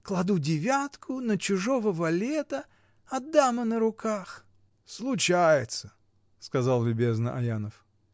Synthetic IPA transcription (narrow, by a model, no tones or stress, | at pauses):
klˠɐd̪udʲɪvʲat̪kʰʊnət͡ɕʊʐovəvɐlʲet̪ə | ɐd̪ːamənəɾʊkʰax | slˠʊt͡ɕajɪt̪sə | skɐzɑlˠlʲʊbʲe̞znəʔɐ̰janəf